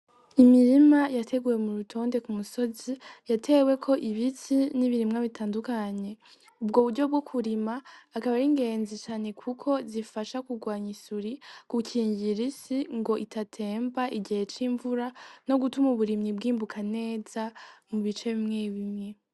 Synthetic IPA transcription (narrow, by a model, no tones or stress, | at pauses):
imiɾimajatʰe̞ɡuje̞muɾutʰo̞ːnde̞kumuso̞zijatʰe̞ːwe̞kʰo̞ʔiβitiniβiɾimŋaβitʰaːndukaɲe̞ | ubɡo̞ːβuɾɟo̞b̚ɡo̞kʰuɾimaːkaβaɾiŋɡe̞ːnzit͡ʃaːne̞kʰukʰo̞zifaʃakuɡwaːɲisuɾikuciːɲɟiɾisiŋɡo̞ʔitʰatʰe̞ːmbaʔiɟihe̞t͡ʃiɱvuɾano̞ɡutumuβuɾimɲibɡiːmbukʰane̞ːz̥amuβit͡ʃe̞βimŋe̞βimŋe̞